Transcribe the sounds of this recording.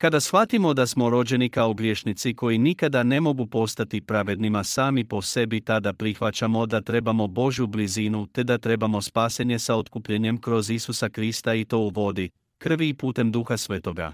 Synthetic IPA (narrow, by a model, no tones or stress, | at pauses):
kad̪asxʋat̪imo̞d̪asmo̞ɾo̞d͡ʑe̞nikaoɡɾje̞ːʃnit̪siko̞jinikad̪ane̞mo̞ɡupo̞st̪at̪ipɾaʋe̞d̪nimasaːmipo̞se̞bit̪ad̪apɾixʋat͡ɕamo̞d̪at̪ɾe̞bamo̞bo̞ʒjublizinut̪e̞d̪at̪ɾe̞bamo̞spaːse̞ɲe̞sao̞t̪kupʎeɲe̞mkɾo̞zisusakɾist̪ait̪o̞uʋo̞d̪i | kr̩ʋiːpuːt̪e̞md̪uxasʋe̞ːt̪o̞ɡa̰